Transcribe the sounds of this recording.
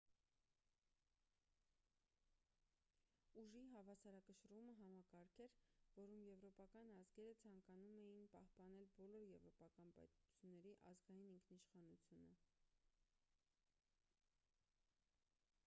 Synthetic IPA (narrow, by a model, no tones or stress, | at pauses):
uʒiɦɑvɑsɑɾɑkəʃəɾuməɦɑmɑkɑɾkʰɛɾvɔɾumjɛvɾɔpɑkɑnɑzɡɛɾət͡sʰɑŋkɑnumɛjinpɑhpɑnɛlbɔlɔɾjɛvɾɔpɑkɑnpɑ̰jt̪ut͡sʰjunːɛɾiʔɑ̰zɡɑjiniŋkʰniʃχɑnut͡sʰjunə